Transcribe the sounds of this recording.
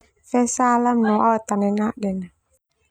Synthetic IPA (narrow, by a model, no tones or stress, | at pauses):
fɛsalamnɔat̪anɛnaʔdɛn